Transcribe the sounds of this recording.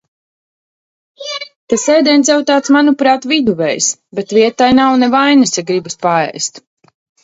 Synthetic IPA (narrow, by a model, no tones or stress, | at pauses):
t̪asɛjd̪ɛnt̪sʲɛwt̪aːt̪smanupɾaːt̪vid̪uvɛjsbet̪viɛt̪ːajnawnɛvajnɨsʲaɡɾibaspaɛ̰jst̪